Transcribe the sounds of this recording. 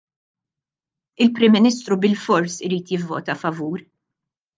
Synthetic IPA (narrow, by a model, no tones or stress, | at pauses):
ɪlpɾɪmːɪnist̪ɾubɪlfɔɾsɪɾiːt̪jɪvːɔ̰ːt̪ɐfɐvuːɾ